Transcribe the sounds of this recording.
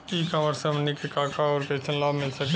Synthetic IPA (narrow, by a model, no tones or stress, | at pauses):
ikɐməɾsəmnikekaːkʰaɔːɾpeːt͡ʃʰənlaːbmɪlsɐk̪